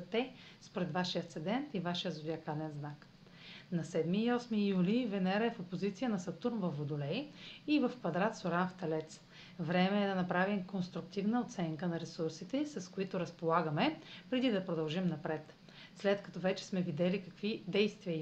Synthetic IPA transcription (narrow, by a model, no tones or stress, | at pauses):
zt̪ɛ | spoɾɛd̪vaʃijət̪sɛd̪ɛnt̪ivaʃijəzʊd̪ʲiɐkalɛnznak | nɐsɛd̪miːɔsmijulivɛnɛɾəɛfopozit̪sijənɐsɐt̪uɾnvɐfod̪ʊlɛjivɐfkvɐd̪ɾat̪soɾanft̪ɛlɛt̪s | vɾɛmɛːd̪ɐnɐpɾavimkonst̪ɾʊk̚t̪ivnəot̪sɛŋkənɐɾɛsuɾsit̪ɛsɐskoit̪ʊɾɐspolˠaɡəmɛpɾɛd̪id̪ɐpɾod̪ɐlˠʒimnɐpɾɛt̪ | slɛt̪kɐ̥t̪ɔvɛt͡ʃɛ̥smɛvid̪ɛlikɐkvid̪ɛjst̪viə